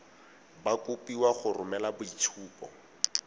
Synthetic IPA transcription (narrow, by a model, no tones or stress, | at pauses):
bakupiwaχʊrʊmɛlabʊit͡ʃʰuːpʼɔ̰